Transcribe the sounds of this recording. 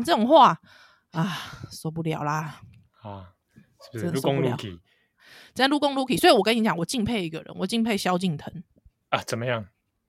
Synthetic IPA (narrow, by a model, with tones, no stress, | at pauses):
ŋt͡sɤ˥˩ɔ˨˩ŋxwa˥˨ | a˨˩sɔ˧˦p̬u˥˩lja̰˨˩ʊla˨ | a˧˨ | u˥˨o˧˦ŋu˦˨kʰi˨ | t͡ɕə˥˦˥lu˥˩kɔ˥˦ŋlu˧˥kʰi˨˩swi˨wɔ˨˩kə˦ni˧˦t͡ɕjɑ˨˩ŋwɔ˨˩t͡ɕi˥˧ŋpʰe˥˧ɪi˧ɡə˨ɻə̰˦nwɔ˨˩t͡ɕi˥˧ŋpʰe˥˧ɪɕjɑ˥˦ʊt͡ɕi˥˨ŋt̪ʰə˨˧˦ŋ | a˨t͡sə˨˩nmə˦jɑ˥˩ŋ